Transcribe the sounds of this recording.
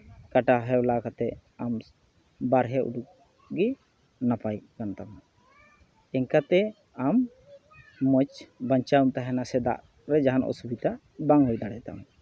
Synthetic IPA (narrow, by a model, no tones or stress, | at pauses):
kaʈaɦɛwlakat̪ɛam | baɾɦɛʔṵɖuk̚ | ɡi | napajkant̪am | ɛŋkat̪ɛ | amː | ət͡ʃbaɲt͡ʃaumt̪aɦɛnasɛd̪a̰ʔ | ɾɛd͡ʒaɦanɔ̰subit̪a | baŋɦujd̪aɽɛt̪a̰m